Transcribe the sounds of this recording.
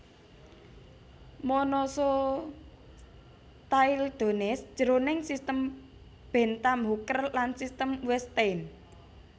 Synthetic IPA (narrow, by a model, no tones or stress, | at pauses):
mɔnɔsɔ | t̪aild̪̥o̤nɛsd̥ʒ̥ə̤ɾonɪŋsist̪əm | b̥ɛ̤nt̪amɦukərlansist̪əmwɛst̪en